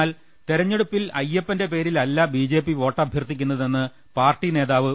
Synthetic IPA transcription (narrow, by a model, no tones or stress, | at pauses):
aːl | t̪eɾɐɲːe̞ɽupːilɐ̰jːepːɐnde̞pe̞ːɾilɐlːɐbiːd͡ʑe̞ːpːiʋo̞ːʈːɐbʱjɐrt̪ːikʲːunːɐðenːɨ | paːrʈːine̞ːðaːʋɨ